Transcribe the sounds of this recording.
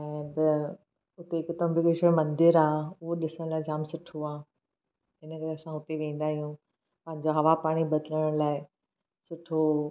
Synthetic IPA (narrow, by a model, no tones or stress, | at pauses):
ɛ̃ːbɪ | ʊt̪ekɪt̪əbɪkɪʃəmɐ̃nd̪ɪɾaːʊɦoɗɪsəɽ̃laːɪd͡ʑaːmsʊʈʰoaː | ɪnəkɐɾeɐsãɦʊt̪eʋẽːn̆d̪aːɦijũ | pɐ̃ɦɪ̃ɲd͡ʑoɦɐʋapaːɽ̃ibɐd̪ələɽ̃laːɪ | sʊʈʰo